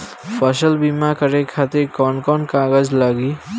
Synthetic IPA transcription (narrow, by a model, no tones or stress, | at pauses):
pʰəsəlbimakəɾekʰat̪iɾkɔnkɔnkaɡəd͡zləɡi